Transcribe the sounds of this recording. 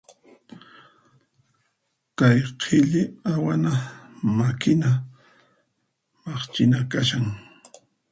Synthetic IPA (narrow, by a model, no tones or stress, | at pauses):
kajqʰɪʎɪawanamakɪna | mɑχt͡ʃɪnakaʃaŋ